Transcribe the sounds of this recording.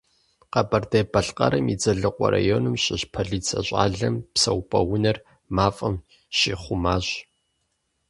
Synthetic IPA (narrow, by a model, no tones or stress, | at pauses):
qɐbɐrdɐbɐɬqʼɐ̰ɾɐmid͡zɐɮɨqʷʼɔ̰ɾa̰joːnɨmɕʼɪɕpʰɐɮiːt͡sʰɐɕʷʼa̰ːɮɐmpsɐwpʰʼɐwʊnɐr | maːfʼɐm | ʃiːχʷʊmaːɕ